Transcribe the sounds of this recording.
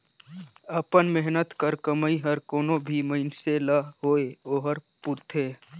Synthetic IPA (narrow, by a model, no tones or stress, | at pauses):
əpənmɛɦnət̪kəɾkəmaiɦəɾkoːnõbʱiməɪnselaɦoːeoːɦəɾpʊɾt̪ʰeː